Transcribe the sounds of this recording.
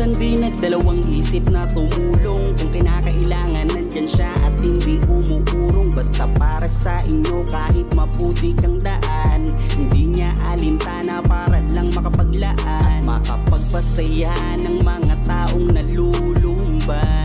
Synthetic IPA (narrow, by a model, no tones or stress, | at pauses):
ɐnd̪inɐɡ̚d̪ɐlɐwaŋʔiːsɪp̚nɐt̪ʊmuːloŋkʊŋkɪnakɐʔɪlaːŋɐnːɐnd͡ʒanʃaʔɐ̰t̪̚hɪnd̪iʔʊmuʔuːɾoŋbɐst̪apaːɾɐsɐʔɪɲo̞kaːhɪt̪̚mɐpuːt̪ɪkɐŋd̪ɐʔan | hɪnd̪iɲaʔɐlɪmt̪aːnɐpaːɾɐlɐŋmɐkɐpɐɡlɐʔamɐkɐpɐɡ̚pɐsɐja | nɐŋmɐŋat̪aːʔoŋnɐlulʊmba